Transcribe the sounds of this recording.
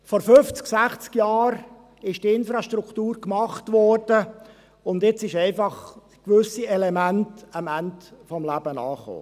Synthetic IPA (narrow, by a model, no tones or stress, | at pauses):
fɔɾfʏft͡sksæχt͡skjɑːɾ | ɪʃd̥iɪnfɾɑʃtrukʰtuːɾkmɑχtʋɔrd̥ə | ʊndɪt͡sɪʃɛɪfɑχ | kʋʏsiɛlemæntɑmæntfɔmlæbənɑ̰ːχo̰ː